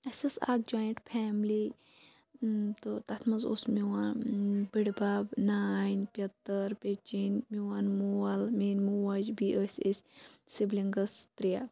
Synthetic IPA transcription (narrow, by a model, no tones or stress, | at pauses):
ɐsʲɐsa̰ːk̚d͡ʒoːjɳʈpʰɛːmli | t̪ot̪ɐt̪ʰmɐnzo̰smiwanbiɽbaːbnaːnpʲɐt̪ːɐɾpʲet͡ʃinmiwaːnmualmeːnmuwad͡ʒbiʔəsʲesʲsibliŋɡɐst̪ɾija